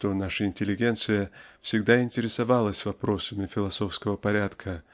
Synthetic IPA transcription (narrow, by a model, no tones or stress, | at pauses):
t̪o̞naʂəɪnʲtʲɪlʲɪɡʲe̞nt̪sɨjəfsʲɪɡd̪aɪnʲtʲɪɾʲɪsɐvalˠəsʲvɐpɾo̞səmʲɪfʲɪlˠɐso̞fskəvəpɐɾʲat̪kʰə